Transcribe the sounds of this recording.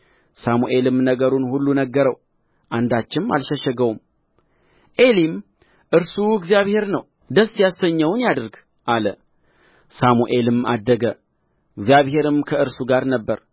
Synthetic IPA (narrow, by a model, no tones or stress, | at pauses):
samuʔe̞lɨmnəɡəɾunhulːunəɡːəɾəw | ʔand̪at͡ʃːɪma̰lʃəʃɛɡəwum | ʔe̞lim | ʔɨɾsuɨɡzijaβhe̞ɾnəw | d̪əsːjasəɲːəwnjad̪ɨɾɡ | ʔalə | samuʔe̞lɨma̰d̪ːəɡə | ɨɡzijaβhe̞ɾɨmkʰəɨɾsuɡaɾnəbːəɾ